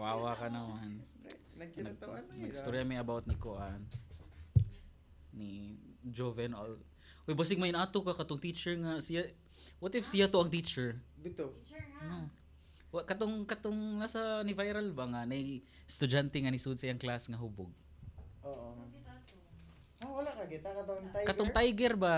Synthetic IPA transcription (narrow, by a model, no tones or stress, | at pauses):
waːwakɐnɐmann | nɐɡ̚nɐɡst̪oɾjɐmɐjɐbawt̪̚nɪkoʔan | id͡ʒovɛnol | hojbas̬ɪɡ̚mɐjʊnʔaːt̪okakɐt̪oŋt̪it͡ʃɛɹŋasɪja | wat̪ɪfsɪjat̪oɐŋt̪it͡ʃɛɹbɪt̪ono | wkɐt̪oŋkɐt̪oŋnasɐnɪvajɾalbaŋanɐj | st̪ʊd͡ʒant̪ɛŋɐnɪsud̪sɐjɐŋklasŋɐɦuboɡ̚ | oʔo | awɐlakɐɡɪt̪akɐt̪ont̪ajkɐt̪oŋt̪ajɡɛɾba